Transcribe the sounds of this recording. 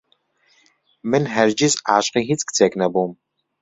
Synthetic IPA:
mɨnɦɐrd͡ʒɪzaːɕʼqiɦit͡sʼkt͡sʰeknɐboːm

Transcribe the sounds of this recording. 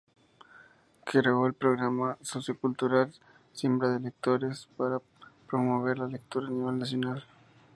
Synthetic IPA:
keɾeoelpɾoɣɾamasosjokult̪uɾal | sjembɾaðelek̚t̪oɾespaɾa | pɾomoβ̞eɾlalek̚t̪uɾaːniβe̞lnasjonal

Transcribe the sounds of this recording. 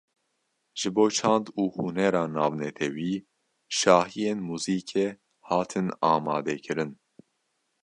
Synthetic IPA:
ʒ̥ɨboːt͡ʃʰɑːnd̪uːhunɛɾɑːnɑːvnɛt̪ʰɛwiː | ʃɑːhijeːnmuːziːkʰe | hɑːt̪ʰɨnɑːmɑːd̪ɛkʰɨɾɨn

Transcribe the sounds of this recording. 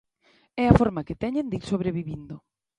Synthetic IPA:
ɛafɔɾmakɪt̪ɛɲẽnd̪iɾsoβɾeβiβind̪ʊ

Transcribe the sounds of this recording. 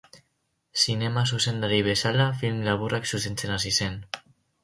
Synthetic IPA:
sinemas̬usend̪aɾiβesalafilmlaβurʔaksusensenasisen

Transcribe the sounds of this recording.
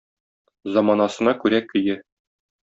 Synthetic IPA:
zɑmɑnɑsɤ̆nɑkʉɾækɘ̆jɘ

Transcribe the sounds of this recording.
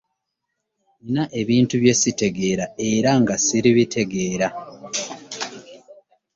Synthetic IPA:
inaʔe̞βiːntuβje̞site̞ɡe̞ɾae̞ɾaŋɡasiɾiβitʰe̞ɡe̞ːɾa

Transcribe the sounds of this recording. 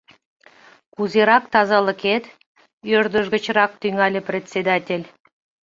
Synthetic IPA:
kuzeɾɑk̚t̪ɑzɑlə̆ket̪ | ørd̪ə̆ʒɣə̆t͡ɕɾɑk̚t̪yŋɑlʲeprʲetʲt͡sʲed̪ɑtʲelʲ

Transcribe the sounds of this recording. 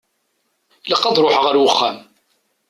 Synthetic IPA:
ləqːɑðˤɾˤoħʁəɾwəχːæ̰m

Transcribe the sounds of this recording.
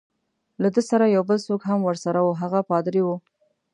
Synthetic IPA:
lad̪əsaɾajawbəlsokɦamwəɾsaɾawuɦaɣapɑd̪ɾiwu

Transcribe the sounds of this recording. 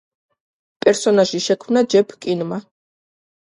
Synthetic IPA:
pʼɛɾsɔnaʒiʃɛkʰmnad͡ʒɛpʰkʼinma

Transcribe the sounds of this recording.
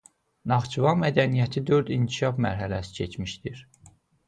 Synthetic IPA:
nɑʁt͡ʃʰuvɑmæd̪ænijæt̪ʰid̪øɾd̪iŋkʰiʃɑfmæ̰ɾɦælæsi̥cʰet͡ʃmiʃd̪iɾ

